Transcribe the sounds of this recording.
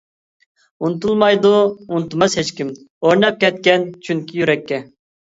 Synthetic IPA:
unt̪ʰulˠmɑjd̪uunt̪umɑshet͡ʃkʲim | oɾnɛp̚kʲɛt̪̚kʲɛnt͡ʃʰyŋkʲʰijyɾɛkʲːɛ

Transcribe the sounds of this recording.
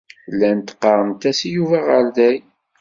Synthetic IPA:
lːænt̪ə̥qːɑɾˤənt̪æsjuvæʁəɾðæj

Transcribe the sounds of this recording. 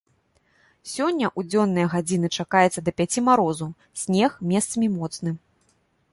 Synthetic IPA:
sʲɔnʲːɐʔud͡zʲɔnːɨjɐɣad͡zʲinɨt͡ʂakajɛt̪sɐd̪ɐpʲat͡sʲimaɾɔzu | sʲnʲɛxmʲɛst̪sɐmʲimɔt̪snɨ

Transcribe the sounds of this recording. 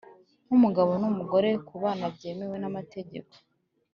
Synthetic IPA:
n̥umuɡaβo̞numuɡo̞ɾe̞kuβaːnabɟe̞ːme̞we̞namate̞ɟeko̥

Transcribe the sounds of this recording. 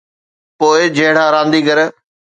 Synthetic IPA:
poːɪd͡ʑɐɦɪɽ̤aːɾãːnd̪iːɡɐɾə

